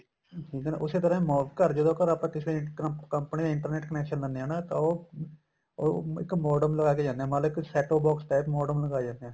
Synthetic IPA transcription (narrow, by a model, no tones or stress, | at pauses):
ʈʰiːkna̰ːʔʊseːt̪əɾãːmoːbkəɾd͡ʒəd̪õːkəɾaːpãːt̪ɪsɾekəmpənĩːɪ̃ɳʈəɾneːʈkənɛːkʃənd̪əndeɦɛ̃ːnãːt̪ãːoː | oɪ̰kmɔːɖəmləɡaːked͡ʒãːnd̪eɛ̃ːmət̪ləɪksɛːʈoːbɔːksʈaːpmɔːɖəmləɡaːd͡ʒãːnd̪eɛ̃ː